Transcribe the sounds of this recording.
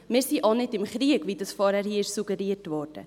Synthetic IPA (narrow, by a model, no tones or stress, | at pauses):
mɪːɾsiʔonɪtɪmχɾiəkvidɑsfɔːɾhɛɾhiːɪʃsuɡəɾiətvɔːɾd̥ə̰